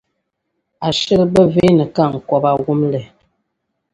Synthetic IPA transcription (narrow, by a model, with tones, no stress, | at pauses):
a˨ʃə˦lə˦bə˦ve˦nə˨ka˦˨ŋ̩˨kɔ˦ba˨wu˦mlɛ˨